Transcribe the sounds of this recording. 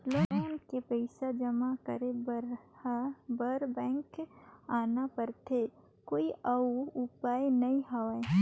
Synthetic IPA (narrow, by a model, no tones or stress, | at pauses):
lomenkepəɪsad͡ʒɐmakəɾebɾ | bəɾbɛ̃ːŋkaːnapəɾt̪ʰe | koːiʔɐʊpaːjnɐĩɦaʋa